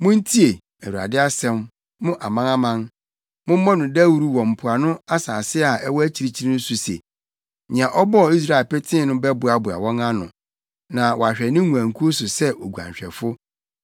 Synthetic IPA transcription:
mʊ̃˦n̩˦tʰi˦e˨ | æ˨wu˨a̰˨dɪ˦a˦sɛ̃˦mː | ʊ̃˦ʔa˨mã˦ã˦mã˦n | mʊ̃˦mɔ̃˦nʊ̃˨dæ˦wu˨ɾu˦wɔ̃˨m̩˨pʰʊ˨a˨nʊ̃˦a˦saː˨sɪ˦a˨ʔɛ˦wɔ˦æ˦t͡ɕʰi˨ɾi˦t͡ɕʰi˦ɾĩ˦ñ̩˦su˨se˨ | ɲɪ̃˨ã˨ʔɔ˦bɔ˦˨i˦s̬ɾa˨e˨lpɛ˦tʰɪ̃˦nʊ̃˦bɛ˦bʊ˨a˨bʊ˨a̰˨wɔ̃˦ŋã˦nʊ̰̃˨ | nã˨wɔ˨a˨ɕᶣɛ˨nɪ̃˦ŋũ˨æ̃˨ŋ̩˨kʰu˦o˦sʊ˨sɛ˦ʔo˨ɡu˨ã̰˨ɲ˨ɕᶣɛ̰˨fʊ˦

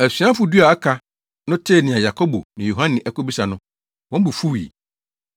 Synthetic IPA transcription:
æ˨sɥã˦fʊ˨˦du˦a˨a˦kʰa˨˦ | nʊ̃˦tʰe˦˨nɪ̃˨ã˨ja˨kʰo˦bo̰˨nɪ̃˨jo˨ɦã˦nɪ̃˨ʔɛ˦ko˦bi˦sa˨nʊ̃˦ | wɔ̃˦m̩˦bu˨fu˦wḭ˨

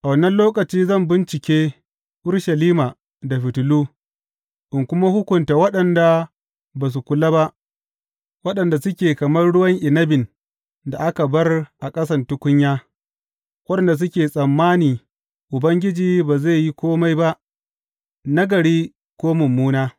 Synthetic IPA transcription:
ʔa˨wɐ˨nːɐ˦nloː˦kɐ˨t͡ʃiː˦zɐ˦˨mbɪ˦nt͡ʃɪ˨kʲeː˦ | ʔʊ˦ɾʃɐ˨liː˦ma˨ | da˨ɸɪ˨tʊ˨luː˦ | ʔɪ˨ŋkʷʊ˦ma˦hʊ˦kʷʊ˨nta˨wɐ˦ɗɐ˨nda˨ | baː˨s̬u˨kʷʊ˨laː˦ba˦ʔ | wɐ˦ɗɐ˨nda˨sʊ˦kʲeː˨kɐ˨mɐ˦rɽʊ˦wɐ˦ŋʔɪ˨nɐ˦bɪ˨n | da˨ʔa˦ka˨bɐ˦rʔa˨kʼɐ˦sɐ˦˨ntʊ˦kʷʊ˦ɲjaː˦ | wɐ˦ɗɐ˨nda˨s̬ʊ˦kʲeː˨sʼɐ˨mːaː˦niː˨ | ʔʊ˨bɐ˦ŋɡʲɪ˦d͡ʒiː˨baː˨ze˦˨ji˦kʷoː˦ma˦jba˦ʔ | na˦ɡɐ˨ɽiː˦ | kʷoː˦mʊ˨mːuː˦naː˦

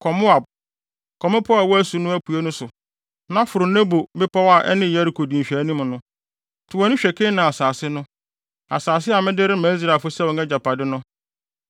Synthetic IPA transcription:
kʰɔ˨mʊ˦a˨b̚ | kʰɔ˨mʊ˦pʰʊ˦a˨wɔ˦æ˦su˨nʊ̃˦æ˦pʰu˨e˦nʊ̃˦sʊ˨ | nã˦fʊ˨ɾʊ˨nɛ̃˦bo˨bɪ˦pʰa˦wa˨ʔɛ̰˦nɪ̃˦˨jɛ˦ɾɪ˨kʰo˨dĩ˨ɕᶣæ˨˦nĩ˦m˨nʊ̃˦ | tʰɪ˨wɔ˨˦nʊ̃˦ɕᶣɛ˨kʰɪ̃˦nã˨a˨saː˨sɪ˦nʊ̃˦ | a̰˨saː˨s̬ɪ˦a˨mɪ̃˦dɪ˦ɾɪ˦mæ̃˨˦z̬ɾa˨fʊ˦sɛ˦˨wɔ˨ɛ˦d͡ʑa˨pa˨dɪ˦nʊ̃˦

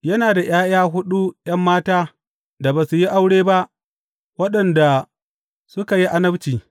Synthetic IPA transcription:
jɐ˦naː˨da˨j̰aː˦j̰aː˦ɦʊ˦ɗu˦j̰ɐ˦mːaː˦taː˦ | da˨baː˨su˨ji˦ʔa˦wɽeː˦ba˦ʔ | wɐ˦ɗɐ˨nda˨ | sʊ˦ka˨ji˦ʔa˦nɐ˦bt͡ʃiː˨

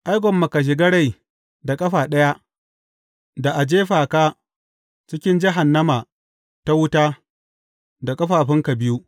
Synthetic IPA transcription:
ʔa˦jɡʷɔ˨mːɐ˨ka˨ʃ̬ɪ˨ɡɐ˦ɽa˨j | da˨kʼɐ˦ɸaː˨ɗɐ˦ja˦ | da˨ʔa˨d͡ʒeː˦ɸaː˨kaː˦ | t͡ʃɪ˦kʲɪ˦nd͡ʒɪ˦ɦa˨nːɐ˦ma˨ | ta˦wʊ˦taː˦ | da˨kʼɐ˦ɸaː˨ɸɪ˦ŋka˨bɪ˦ju˦ʔ

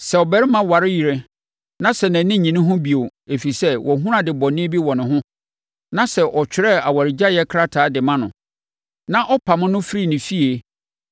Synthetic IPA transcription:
sɛ˨ɔ˨bɛ˨ɾɪ˦mã˦wa˨ɾɪ˦ji˨ɾe˨ | nã˦sɛ˨nɛ̃˨nɪ̃˦ɲĩ˨nʊ̃˦ɦʊ̃˦bi˨o˨e˨fi˨sɛ˦wʔɔ˨ɦũ˦ɾã˨dɪ˨bɔ˨nɪ̃˦bi˦wɔ̃˨nɪ̃˨ɦʊ̃˦ | nã˦sɛ˨ʔɔ˨t͡ɕᶣɪ˨ɾɛ˦a˨wa˨ɾɪ˨d͡ʑa˦jɛ˦kʰɾa˦tʰaː˨˦dɪ˨mã˦nʊ̰̃˨ | nã˦ʔɔ˦pʰa˨mʊ̃˦nʊ̃˦fɾi˦˨nɪ̃˨fi˦e˨

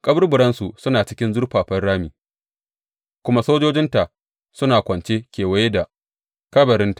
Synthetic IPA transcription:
kʼɐ˦bʊ˦rbʊ˨ɽɐ˦nsu˨sʊ˦naː˨t͡ʃɪ̥˦kʲɪ˦nzʊ˦rɸaː˨ɸɐ˦rɽaː˦miː˨ | kʷʊ˦ma˦soː˦d͡ʒoː˦d͡ʒɪ˦nta˨ʔ | sʊ˦naː˨kʷɐ˨nt͡ʃeː˦kʲeː˨wɐ˦je˦da˨ | kɐ˦bɐ˨ɾɪ˦nta˨

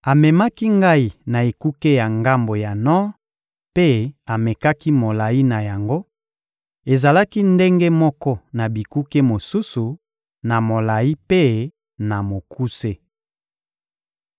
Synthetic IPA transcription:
a˨mɛ˨ma˦ki˦ŋɡa˦i˦na˨e˨ku˦ke˦ja˨ŋɡa˦mbo˨ja˨nɔ˦ | pe˦a˨me˨ka˦ki˦mo˨la˨ji˦na˨ja˨ŋɡo˦ | e˨za˨la˦ki˦nde˦ŋɡe˦mɔ˦kɔ˦na˨bi˨ku˦ke˦mo˨su˦su˨ | na˨mo˨la˨i˦pe˦ | na˨mo˨kʰu˦se˦

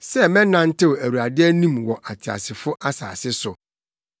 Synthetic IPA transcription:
sɛ˦mɛ̃˦nã˦n˦tʰɪ˦wæ˨wu˨a˨dɪ˦æ˦nĩ˦mwɔ˨ʔa˨tʰɪ˨a̰˨sɪ˨fʊ˦ʔa˦sa̰ː˨sɪ˦sʊ˨

